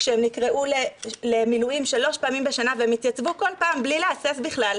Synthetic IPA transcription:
ʃeemnikʁeʔulele̞milujimʃalo̞ʃpaːmimbe̞ʃanaveemit̪jat͡svuko̞lpaːmblileasesbiχlal

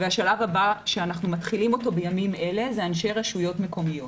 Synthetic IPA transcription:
veaʃalavabaʃeanaχnumatχilimo̞to̞bejamime̞le̞zeanʃe̞jʁaʃujo̞tme̞ko̞mijo̞t

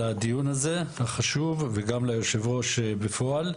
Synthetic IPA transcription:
ad̪ijunaze̞haχaʃuvveɡamlajo̞ʃevʁo̞ʃbefo̞al

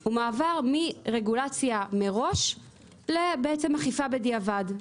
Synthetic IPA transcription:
umaːvaʁmiʁe̞ɡulat͡sjameʁo̞ʃ | lebeet͡semaχifabediavad

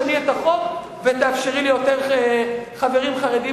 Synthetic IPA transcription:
niet̪aχo̞v | vet̪aafʃeʁilijo̞teʁ | χave̞ʁimχaʁedi

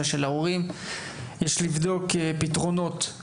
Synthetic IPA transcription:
aʃelaoʁim | jɛʃlivd̪o̞kepit̪ʁo̞no̞t̪

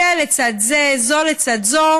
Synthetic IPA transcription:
alet͡sad̪zezolet͡sad̪zo

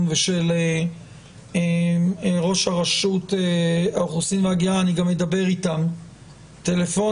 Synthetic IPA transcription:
nveʃele | e | ʁo̞ʃhaʁaʃuteaoχusinveaɡiaːniɡamːed̪abe̞ʁitam | tele̞fo̞

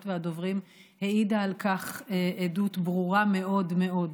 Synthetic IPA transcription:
t̪veado̞vʁim | heidaːlkaχeedutbʁuʁame̞o̞dme̞o̞d

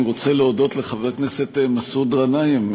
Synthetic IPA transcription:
ʁo̞t͡seleod̪o̞t̪leχaveknese̞t̪emasud̪ʁanaim

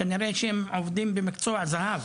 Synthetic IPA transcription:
aniɾeʃeemovd̪imbemikt͡soazahav

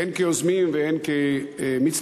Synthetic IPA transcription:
enkeozmimveenkemit͡s

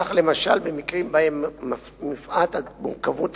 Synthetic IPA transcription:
aχle̞maʃa̰lbe̞mikʁimbaemː | mifʔat̪amṵʁkavut

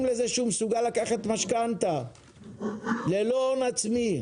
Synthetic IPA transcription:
mlezeʃumsuɡalakaχat̪maʃkant̪a | lelonat͡smi

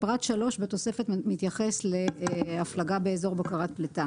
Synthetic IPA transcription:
pʁat̪ʃalo̞ʃbet̪o̞se̞fetmit̪jaχesle̞aflaɡabe̞ezo̞ʁbakaʁat̪̚plet̪a

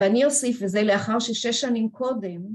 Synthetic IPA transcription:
anio̞sifvezeleaχaʁʃeʃeʃːanimkʰo̞dem

